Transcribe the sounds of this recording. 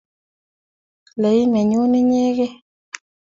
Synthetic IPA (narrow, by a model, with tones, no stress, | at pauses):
le˨i˦mɛ˨ɲo˦nɪ˦ɲe˦ɣe˦